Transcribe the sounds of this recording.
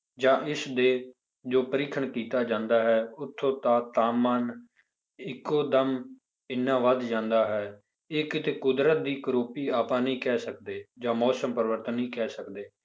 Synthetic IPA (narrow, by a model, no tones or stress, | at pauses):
d͡ʒãːʔɪsd̪eː | d͡ʒoːpəɾɪkʰəɳkiːt̪aːd͡ʒãːnd̪aːɦɛːʊt̪ʰːõːt̪aːt̪aːmaːn | ɪkːoːd̪əm | ɪnːãːʋəd̪d͡ʒãːnd̪aːɦɛː | ɪkt̪eːkʊd̪ɾət̪̚d̪iːkəɾoːpiːaːpãːnĩːkɛːsəkd̪eːd͡ʒãːmɔːsəmpəɾʋəɾt̪ənɦĩːkɛːsəkd̪eː